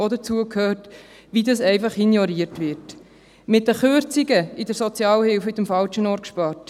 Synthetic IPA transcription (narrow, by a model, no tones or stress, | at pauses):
ɔd̪ət͡suəkʰhøːɾt | ʋidɑsɛɪfɑχinjɔɾiəɾtʋɪɾt | mɪt̚ːəχøɾt͡siɡəidəɾsɔt͡sjɑːlhɪlfhʏt̪əmfɑlt͡ʃənɔːɾkʃpɑːɾt